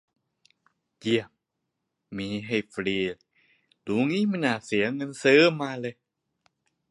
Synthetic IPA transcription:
ji˧˩əm | miː˧˦ɦe˧˩fɾiː˧˩ | luː˨˦ŋiː˦˥˨ma˧˥naː˧˨˩si˨˩˦ɐŋɤ˧˥nsəː˦˥maː˧lɤ˧

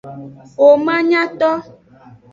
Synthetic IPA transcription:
o˨mã˦ɲã˦t̪ɔ˦

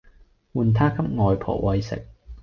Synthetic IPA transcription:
wuː˨˩nt̪ʰaː˥kʰɐ˥p̚ŋɔː˨jpʰɔ̰ː˨˩k̚wɐ˧jsɪ̰˨k̚

